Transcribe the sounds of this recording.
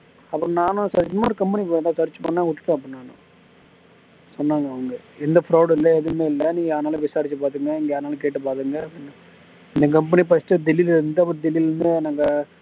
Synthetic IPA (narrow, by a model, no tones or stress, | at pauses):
ɐpːɯɾõnaːnʊ̃saːɾɪnd̪ɐmaːɾɯkɐmpɐnipːt̪ãːsɐɾɪt͡ʃːɯpɐnːãːkʊʈːɯ̥ʈ̪ːõɐp̬ːɾ̃naːnʊ̰̃ | sɔnːaːŋɡɐːʋɐŋɡɐɛnd̪ɐfɾoːɽɪlːɐɛðɯmeːɪlːɐnĩːɡɐjaːɾnaːlɐʋɪsaːɾɪt͡ʃːɯpaːt̪ɯŋɡɐɪŋɡɐjaːɾnaːlɐk̬eːʈːɯpaːt̪ɯŋɡɐnː | ɪnd̪ɐkɐmpɛnip̬ɐsʈːɯd̪ɛlilɾɯnd̪ɯɐpːɐɾd̪ɛlilɾɯnd̪ɯnaːŋɡɐ